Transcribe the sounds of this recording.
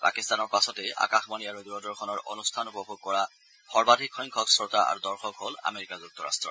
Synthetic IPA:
pa̰kistanɔɹpasɔtea̰kaxmaniaɹuduɔdɔɹkʰɔnɔɹʔo̰nustʰanupɔbʱoɡ̚kɔɹa | xɔɹbadʱikxɔjŋkʰɔksɹotaʔa̰ɹudɔɹxɔkɦola̰meɹikazuk̚tɔɹa̰stɹɔ̰

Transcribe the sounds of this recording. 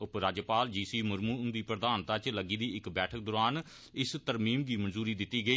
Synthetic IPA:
ʊpɾaːd͡ʒəpaːld͡ʒiːsiːməɾmuːnd̪iːpɾəd̪aːnt̪aːt͡ʃləɡiːd̪iːɪkbɛːʈʰək̚d̪oːɾaːn | ɪst̪əɾmiːmɡiːmənzuːɾiːd̪ɪt̪ːiːɡəiː

